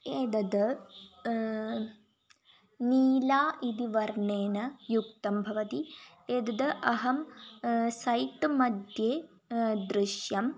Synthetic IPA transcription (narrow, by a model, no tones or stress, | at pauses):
eːd̪ɐd̪ɐ | niːlaːʔid̪iʋɐɾɳeːnɐjukt̪ɐmbʱɐʋɐt̪i | eːd̪ɐd̪ɐʔɐɦɐm | sɐjt̪ɨmɐd̪jeː | d̪ɾɪʃjɐm